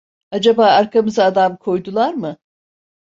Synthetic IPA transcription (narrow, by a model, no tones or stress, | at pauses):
ad͡ʒabaːaɾkʰamɯzaːd̪amkʰo̞jd̪ulˠaɾmɯ